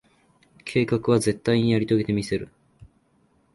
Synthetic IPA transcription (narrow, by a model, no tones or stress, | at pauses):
kʰe̞ːkakɯ̟β̞aze̞t̪ːaiɲ̟ijaɾʲit̪o̞ɡe̞t̪e̞mʲise̞ɾɯ̟̰